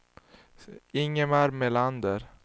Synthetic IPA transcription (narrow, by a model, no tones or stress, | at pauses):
ɪŋːəmæɾmeland̪əɾ